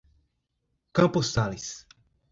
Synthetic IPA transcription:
kɐ̃post̪alis

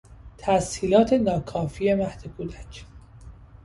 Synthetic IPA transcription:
t̪ʰæshiːlɒːt̪ʰe̞nɒːkʰɒːfiːe̞mæhd̪̥ekʰud̪æt͡ʃʰ

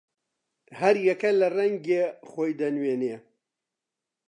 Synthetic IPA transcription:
hɐɾjɛkɐlɐrɐŋɡexoːjd̪ɐnweːne

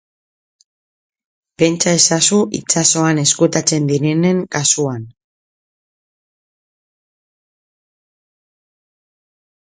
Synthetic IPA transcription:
pe̞nt͡ʃae̞sasuʔit͡ʃaso̞ane̞skut̪at͡se̞nd̪iɾe̞ne̞ŋkasuan

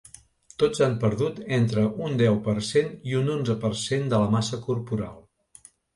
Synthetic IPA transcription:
t̪od͡zampəɾðut̪ent̪ɾəʔund̪ɛwpəɾseniunonzəpərsend̪ələmasəkuɾpuɾa̰lˠ

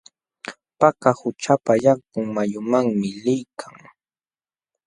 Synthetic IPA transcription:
pakahʊt͡ʃapajaŋkʊŋmajʊmaŋmɪlɪjkʰaŋ

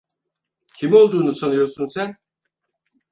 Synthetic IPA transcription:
cʲʰimo̞lˠd̪uːnusanɯjoɾsunsæn

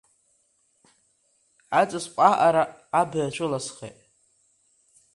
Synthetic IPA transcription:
at͡sʼɨsqʷʼaʔaɾaːbɨjat͡ʃʷʰʊlasχḛtʼ

